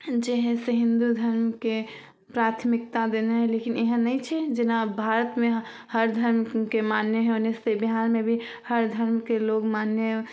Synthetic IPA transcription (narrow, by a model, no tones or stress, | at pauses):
d͡ʒeɦẽseɦĩnd̪ud̪ʱəɾmke | pɾat̪ʰmik̚t̪ad̪eneɦɛlekineɦə̃nːəjt͡ʃʰɛd͡ʒenabʱaɾət̪meɦ | həɾd̪ʱəɾmkemanjeɦɛonesebiɦaɾmebʱi | həɾd̪ʱəɾmkeloɡmanːje